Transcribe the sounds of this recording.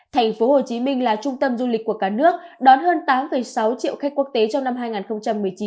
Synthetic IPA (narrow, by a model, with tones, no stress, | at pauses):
t̪ʰɛ˨˩jŋ̟fo˨˦ho˨˩t͡ɕi˨˦mï˧ŋ̟laː˨˩t͡ɕʊ˧ŋ͡mt̪ə˧mzu˧li̟˨˩kːu˧˩əkaː˧˩nɨ˦˥ək̚ɗɔ˨˦nɦəː˧nt̪aː˨˦mfə˨˩jsa˨˦wt͡ɕḭ˧˨ə˨wxa˦˥k̟kːu˦˥ək̚t̪e˨˦t͡ɕɔ˧ŋ͡mna˧mɦaː˧jŋaː˨˩nxə˧wŋ͡mt͡ɕa˧mːɨ˨˩əjt͡ɕi˨˦n